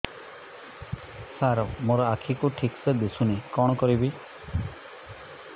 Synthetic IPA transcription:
saɾɔmoɾɔakʰikuʈʰiksed̪esunikɔɽ̃ɔkɔɾibi

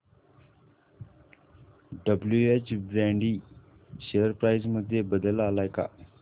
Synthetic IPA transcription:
ɖəbljueːt͡ʃbɾɛ̃ːɳɖiː | ʃejəɾpɾaːɪzmʊd̪ʱjebəd̪əlaːlaːɪka̰

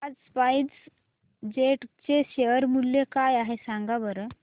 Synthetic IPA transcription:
ad͡zspajdd͡z | d͡ʑeʈt͡ɕeɕeʋəɾmulːekajaɦesãŋɡabəɾə

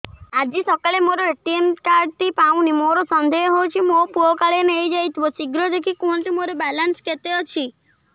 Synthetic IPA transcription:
ad͡ʒisɔkalemoɾoeʈiemkaɾɖt̪ipaw̃nimoɾɔsɔnd̪ʱeɦɦowt͡ʃʰimopuɔkaɭenejd͡ʒajt̪ʰibɔt͡ʃiɡɾɔd̪ekʰikuɦɔnʈimoɾɔbalansket̪eɔt͡ʃʰi

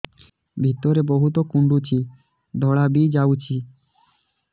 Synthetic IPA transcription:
bʱit̪ɔɾebɔɦut̪okuɳɖut͡ʃʰi | d̪ʱɔɭabid͡ʒaut͡ʃʰi

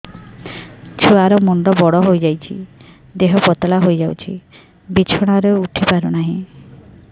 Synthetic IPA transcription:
t͡ʃʰuaɾɔmɔɳɖɔbɔɽɔɦojd͡ʒajt͡ʃʰḭ | d̪eɦɔpɔt̪ɔlaɦojd͡ʒawt͡ʃʰḭ | bit͡ʃʰɔɽ̃aɾeuʈʰipaɾɔñaɦĩ

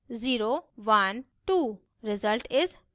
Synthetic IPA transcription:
ziɾoʋan | ʈu | ɾɪzəlʈɪz

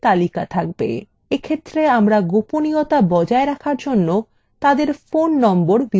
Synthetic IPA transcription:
t̪alikat̪ʰak̚bḛ | ekʰet̪ːɾeamɾaɡoponiot̪abɔd͡ʑaeɾakʰaɾd͡ʑonːo | t̪ad̪eɾfonːɔmboɾbi

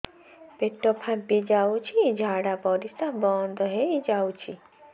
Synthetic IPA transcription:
peʈːɔpʰãpid͡ʒawt͡ʃʰid͡ʒʱaɽapɔɾisabɔːnd̪ɔɦeid͡ʒawt͡ʃʰi

